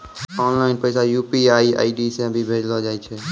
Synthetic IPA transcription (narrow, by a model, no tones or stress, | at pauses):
ɔːnlaːɪnpəɪsajuːpiaːia̰ːiɖisẽəbʱibʱeːd͡ʒlod͡ʒaːit͡ʃʰɛː